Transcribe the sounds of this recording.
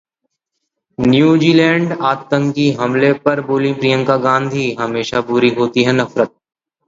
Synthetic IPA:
njuːd͡ʒiːlɛ̃ːɳɖaːt̪ːə̃ŋkiɦɐmlepɐɾboːlĩpɾijə̃ŋkaɡãːnd̪ʱiɦɐmeːʃabʊɾiɦoːt̪iɦɛnɐfɾət̪̚

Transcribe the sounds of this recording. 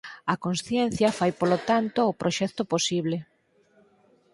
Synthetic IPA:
ɐkonsθjɛn̟θjɐfajpolot̪ant̪oːpɾʔoʃɛkt̪oposiβle

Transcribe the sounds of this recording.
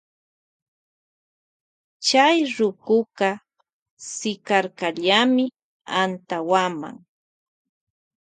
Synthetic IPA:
t͡ʃajɾʊkʊkɑ | sɪkaɾkaʎamɪ | ant̪awama̰ŋ

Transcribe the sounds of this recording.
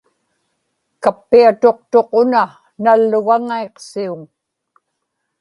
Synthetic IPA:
kapːiat̪o̞q̚t̪o̞qʊna | nalːʊɣaŋaeqsiuŋ

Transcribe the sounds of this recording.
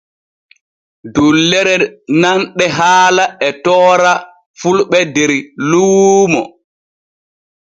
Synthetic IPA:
dulːɛɾɛnanɗɛɦaːlaɛtɔːɾa | fulɓɛdɛɾlumɔ

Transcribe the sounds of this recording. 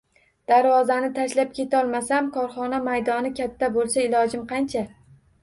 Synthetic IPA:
d̪̥aɾvɒzanɪt̪ʰaʃlap̚kʲʰe̞t̪ʰɒlˠmasamkʰɒɾχɒnamajd̪ɒnɪkʲʰat̪ʰːabolˠsaɪlɒd͡ʒɪmqʰɑnt͡ʃʰa

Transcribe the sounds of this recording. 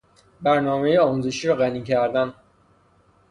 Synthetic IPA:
bæɾnɒːmejeɒːmuːze̞ʃiːɾɒɣæniːcʰæɾd̪æn

